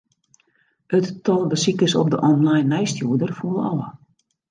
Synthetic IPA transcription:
ətːɔlˠbəsikəsɔ̰p̚dəʔɔnlajnːɛjstjuədərfuəlˠɑ̰lˠə

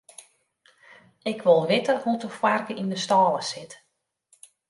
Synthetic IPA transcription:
ɪkʰʋolˠʋɪtəhutəfwarkəindəstɔːlˠəsɪt

